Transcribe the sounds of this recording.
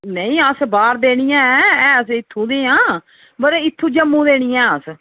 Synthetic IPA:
nəĩːəsbaːɾd̪eːɽ̃iːjãːɛɛ̃ːəsɪt̪ʰːũːd̪eːãː | bəɾɪt̪ʰːũːd͡ʒəmːũːd̪eːɽ̃iːɛ̃ːəs

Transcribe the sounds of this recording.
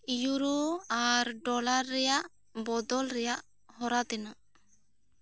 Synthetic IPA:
juɾoaɾɖɔlaɾːɛjaʔ | bɔd̪ɔlɾɛjaʔ | hɔɾat̪ɛnaʔ

